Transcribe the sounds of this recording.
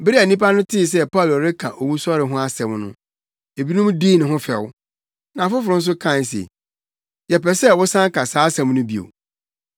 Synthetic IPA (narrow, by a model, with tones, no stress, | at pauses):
bɪ˦ɾi˦æ˨nĩ˦pa˦nʊ̃˦tʰɪ˦˨s̬ɛ˦pʰa˦˨lɔ˨ɾɪ˦kʰã˨ʔo˨wu˦sɔ˦ɾɪ˨ɦʊ̃˦a˦sɛ̃˨mnʊ̰̃˦ | e˨bi˦nʊ̃˦mdi˦˨nʊ̃˨ɦʊ̃˦fɛ̰˨wʊ˦ | nã˨fʊ˦fʊ˨ʊ̃˦n̩˦s̬ʊ˦kʰã˦˨n˨sḛ˨ | jɛ˨pɛ˨sɛ˦wʊ˦sã˦ŋ˦kʰa˨saː˨˦sɛ̃˨m˦nʊ̃˦bi˨o̰˨